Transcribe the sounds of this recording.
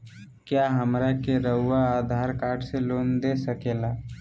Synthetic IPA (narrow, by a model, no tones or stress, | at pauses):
kjaːɦəmɾakeɾəɦʊːaaːd̪ʱaːɾkaːɾʈseloːnd̪esəkeːlaː